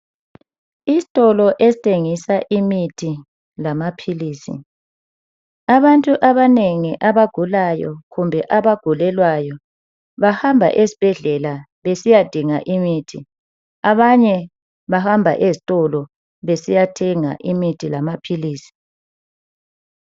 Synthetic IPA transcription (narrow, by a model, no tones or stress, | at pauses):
izitʼɔlɔʔezitʼeŋisaʔimitʰi | lamapʰiliːsḭ | aβantʼuʔaβaneŋiʔaβaɡ̥ʱulajɔ̰ɣumbʱɛʔaβaɡ̥ʱulɛlwajɔ | βahambʱa̰ʔesi̥b̥ʱɛɮɛla | βesijad̥ʱiŋaʔimitʰi | aβaɲɛ | βahambʱa̰ʔezitʼɔlɔ | βesijatʰɛŋa̰ʔimitʰilamapʰiliːsi̥